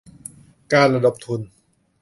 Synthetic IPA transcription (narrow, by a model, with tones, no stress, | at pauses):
kaː˧nɾa˧da˨˧˩p̚t̪ʰu˧n